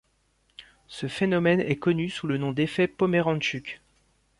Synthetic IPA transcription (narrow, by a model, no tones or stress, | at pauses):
səfenɔmɛnɛkɔnysulənɔ̃d̪efɛpɔmeʁɑ̃ʃykʲ